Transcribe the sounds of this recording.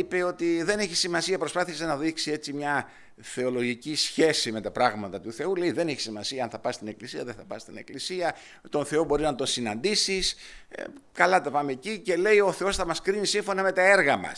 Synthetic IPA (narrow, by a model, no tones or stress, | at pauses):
ipe̞o̞t̪iðe̞ne̞çi̥simɐsiɐpɾospɐθisenɐðiksie̞t͡simɲɐ | θe̞o̞lo̞ʝicisçe̞sime̞t̪ɐpɾɐɣmɐt̪ɐt̪uθe̞ule̞iðe̞neçi̥simɐsiɐɐnθɐpɐst̪ine̞klisiɐðeθɐpɐ̰st̪ine̞klisiɐ | t̪o̞nθe̞o̞bo̞ɾiznɐt̪o̞nsinɐnd̪isis | kɐlɐt̪ɐpɐmecice̞le̞io̞θe̞o̞sθɐmɐskɾinisiɱfo̞nɐme̞t̪ɐe̞ɾɣɐmɐ̰s